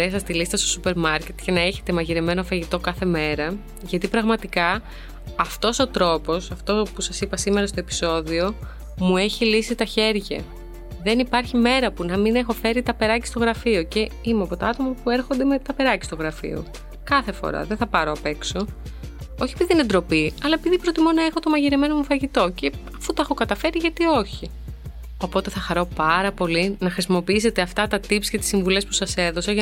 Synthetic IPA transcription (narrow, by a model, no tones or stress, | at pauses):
es̬ɐst̪ilist̪ɐst̪o̞̥supe̞ɾmɐɾce̞t̪ʝɐnɐe̞çe̞t̪e̞mɐʝiɾeme̞no̞fɐʝit̪o̞kɐθe̞me̞ɾɐ | ʝɐt̪ipɾɐɣmɐt̪ikɐ | ɐft̪o̞so̞t̪ɾo̞po̞sɐft̪opusɐsipɐsime̞ɾɐst̪o̞epi̥so̞ðio̞ | mue̞çilisit̪ɐçe̞ɾʝɐ̰ | ðe̞nipɐɾçime̞ɾɐpunɐmine̞xo̞fe̞ɾit̪ɐpe̞ɾɐci̥st̪o̞ɣɾɐfioce̞imeɐpo̞t̪ɐɐt̪o̞mɐpue̞ɾxond̪eme̞t̪ɐpe̞ɾɐci̥st̪oɣɾɐfḭo̞̰ | kɐθefo̰ɾɐ̰ðeθɐpɐɾo̞ɐpe̞kso̞ | oçiepiðined̪ɾo̞piɐlɐe̞piðipɾo̞t̪imo̞nɐe̞xo̞t̪o̞mɐʝiɾime̞no̞mufɐʝit̪o̞ce̞ɐfut̪ɐexo̞kɐt̪ɐfe̞ɾiʝɐt̪io̞çi | o̞po̞t̪e̞θɐxɐɾo̞pɐɾɐpo̞linɐxɾisimo̞piise̞t̪e̞ɐft̪ɐt̪ɐt̪ipsce̞t̪i̥siɱvule̞spu̥sɐse̞ðo̞sɐʝ